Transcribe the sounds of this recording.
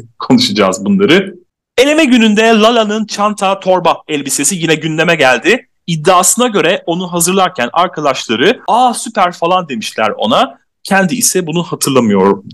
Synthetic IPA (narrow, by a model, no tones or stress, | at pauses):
kʰo̞nuʃad͡ʒaːzbunlˠaɾɯ | e̞lʲe̞mɛɟynynd̪ɛlˠalʲˠanɯnt͡ʃʰant̪ʰat̪ʰo̞ɾbaɛlʲbise̞sijinɛɟynlʲemɛɟælʲd̪ɪ | id̪ːaːsɯnaɟø̞ɾɛʔo̞nuɦazɯɾlˠaɾcʰænaɾkʰad̪aʃlˠaɾɯasypæɾfalˠand̪e̞miʃlʲæ̰ɾo̞̰na | cʰænd̪iːsɛbunuhat̪ʰɯɾlˠamɯjo̞ɾum